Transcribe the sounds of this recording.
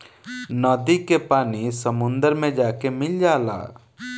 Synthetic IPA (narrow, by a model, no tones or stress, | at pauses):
nɔːd̪ikepaːnisəmʊ̃nd̪əɾmẽd͡ʒaːkemɪld͡ʒaːla̰ː